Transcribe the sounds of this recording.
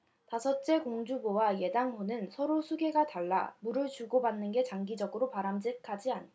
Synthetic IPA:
tasʰʌt͡ɕ͈e̞koŋd͡ʑubowaje̞daŋɸonɯnsʰʌɾosʰuɡe̞ɡataɭːa̰muɾɯɭt͡ɕuɡobanːɯnɡe̞t͡ɕaŋɡid͡ʑʌɡɯɾopaɾamd͡ʑikʰad͡ʑianʰ

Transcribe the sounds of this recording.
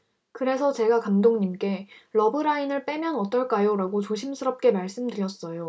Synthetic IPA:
kɯɾe̞sʰʌt͡ɕe̞ɡakamdoŋɲimk͈e̞ɾʌbɯɾainɯɭp͈emjʌnʌt͈ʌɭk͈ajoɾaɡot͡ɕoɕʰimsʰɯɾʌp̚k͈e̞maɭs͈ɯmdɯɾjʌs͈ʌjo

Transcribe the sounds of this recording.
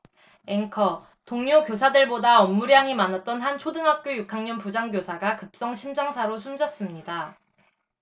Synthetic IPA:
eŋkʰʌ | toŋɲokjosʰadɯɭbodaʌmːuɾjaŋimanat̚t͈ʌnhant͡ɕʰodɯŋɦap̚k͈jojukʰaŋɲʌnpud͡ʑaŋɡjosʰaɡakɯp̚s͈ʌŋɕʰimd͡ʑaŋsʰaɾosʰumd͡ʑʌs͈ɯmɲida

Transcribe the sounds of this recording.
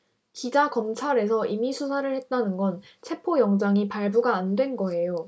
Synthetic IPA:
kid͡ʑakʌmt͡ɕʰaɾe̞sʰʌʔimisʰusʰaɾɯɭhe̞t̚t͈anɯnɡʌn | t͡ɕʰe̞pʰojʌŋd͡ʑaŋipaɭbuɡaːndwe̞nɡʌe̞jo

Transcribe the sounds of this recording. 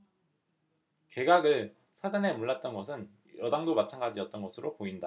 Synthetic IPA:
ke̞ɡaɡɯɭ | sʰad͡ʑane̞muɭːat̚t͈ʌnɡʌsʰɯn | jʌdaŋdomat͡ɕʰanɡad͡ʑiʌt͈ʌnɡʌsʰɯɾopoinda

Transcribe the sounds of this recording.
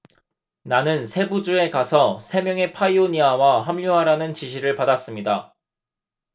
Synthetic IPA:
nanɯnsʰe̞bud͡ʑue̞kasʰʌsʰe̞mjʌŋe̞pʰaioɲiawaɦamʎuɦaɾanɯnt͡ɕiɕʰiɾɯɭpadas͈ɯmɲida

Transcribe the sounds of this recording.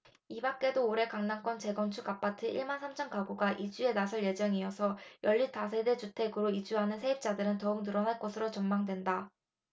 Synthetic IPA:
ibak͈e̞doːɾe̞kaŋnaŋk͈wʌnt͡ɕe̞ɡʌnt͡ɕʰuɡap͈atʰɯiɭmansʰamt͡ɕʰʌmkabuɡaʔid͡ʑue̞nasʰɯɭje̞d͡ʑʌŋiʌsʰʌjʌʎːitas̬ʰe̞de̞t͡ɕutʰe̞ɡɯɾoid͡ʑuɦanɯnsʰe̞ip̚t͡ɕ͈adɯɾɯntʌumnɯɾʌnɦaɭk͈ʌsʰɯɾot͡ɕʌmmaŋdwe̞nda

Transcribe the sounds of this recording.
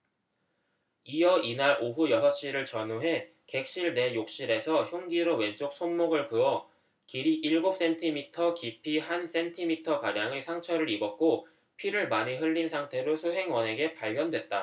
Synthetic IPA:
ijʌinaɾoɦujʌsʰʌɕ͈iɾɯɭt͡ɕʌnoɦe̞ | ke̞k̚ɕ͈iɭne̞jok̚ɕ͈iɾe̞sʰʌçjuŋɡiɾowe̞t͡ɕ͈ok̚s͈ʰonmoɡɯɭkɯʌ | kiɾiʔiɭɡop̚s͈e̞ntʰimitʰʌkipʰihans͈e̞ntʰimitʰʌkaɾjaŋesʰaŋt͡ɕʰʌɾɯɾibʌk̚k͈o | pʰiɾɯɭmaɲiɦɯʎːinsʰaŋtʰe̞ɾosʰuɦe̞ŋwʌne̞ɡe̞paʎɡjʌndwe̞t̚t͈a

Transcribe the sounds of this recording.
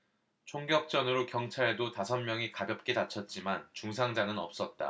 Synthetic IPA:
t͡ɕʰoŋɡjʌk̚t͡ɕ͈ʌnɯɾokjʌŋt͡ɕʰaɭdotasʰʌnmjʌŋikadɯp̚k͈e̞dat͡ɕʰʌt̚t͡ɕ͈imant͡ɕuŋs̬ʰaŋd͡ʑaŋɯnʌp̚s͈ʌt̚t͈a̰

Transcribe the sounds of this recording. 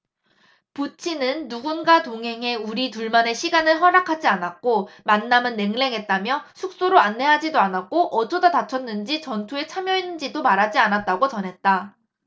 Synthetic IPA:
put͡ɕʰinɯnːuɡunɡatoŋɦe̞ŋe̞uɾituɭmane̞ɕʰiɡanɯɭɦʌɾakʰad͡ʑianak̚k͈omanːamɯnːe̞ŋle̞ŋɦe̞t̚t͈amjʌsʰuk̚s͈oɾoanːe̞ɦad͡ʑidoanak̚k͈oʔʌt͡ɕʰʌdatat͡ɕʰʌnːɯnd͡ʑit͡ɕʌntʰue̞t͡ɕʰamjʌinːɯnd͡ʑidomaɾɦad͡ʑianat̚t͈aɡot͡ɕʌnɦe̞t̚t͈a

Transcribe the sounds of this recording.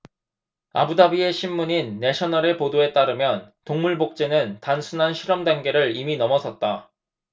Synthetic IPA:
a̰budabie̞ɕʰimːuɲinːe̞ɕʰʌnʌɾe̞podoe̞t͈aɾɯmjʌntoŋmuɭbok̚t͡ɕ͈enɯntansʰunɦanɕʰiɾʌmdaŋɡe̞ɾɯɾiminʌmʌsʰʌt̚t͈a

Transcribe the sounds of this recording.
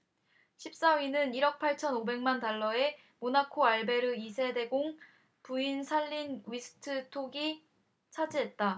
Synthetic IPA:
ɕʰip̚s͈awinɯniɾʌk̚pʰaɭt͡ɕʰʌnobe̞ŋmantaɭːʌe̞ | monakʰoaɭbe̞ɾɯisʰe̞de̞ɡoŋ | puinsʰaʎːinwɥisʰɯ̥tʰɯtʰoɡi | t͡ɕʰad͡ʑiɦe̞t̚t͈a

